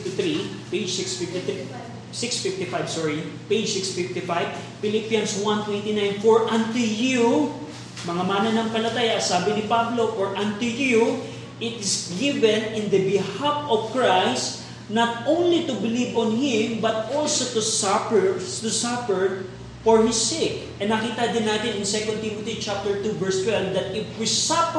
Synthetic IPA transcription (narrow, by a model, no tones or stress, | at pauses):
t̪θɹiped͡ʒsɪksfɪft̪ɪt̪i | sɪksfɪft̪ɪfajbsɔɹiped͡ʒsɪksfɪft̪ɪfajv | pɪlipijɐnswãnt̪wɛ̃nt̪ɪnãjnfɔɹʔãnt̪ʊju | mɐŋamanɐnɐŋpɐlɐt̪aːjasaːbɪnɪpablofɔɹʔãnt̪ʊju | ɪt̪ɪsɡɪvɛ̃nɪ̃nd̪ɐbɪhafɔv̥kɹajst̪ | nɐt̪̚ʔõwnlit̪ʊbɪlivɔ̃nhɪ̃mbɐt̪̚olsot̪ʊsapɛt̪ʊsafɛɹ | fɔɹhɪsek̚ʔɛnɐkiːt̪ɐd̪ɪnːaːt̪ɪnɪŋsɛkɔnd̪̚t̪imot̪it͡ʃap̚t̪əɹt̪uvɛɹst̪wɛlvd̪ɐt̪ɪfwisap